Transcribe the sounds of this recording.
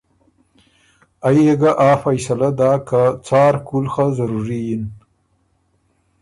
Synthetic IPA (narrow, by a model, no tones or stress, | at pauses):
ajeɡaʔaːfajsalad̪aːkat͡sɑːɾkulxazaɾuɾijin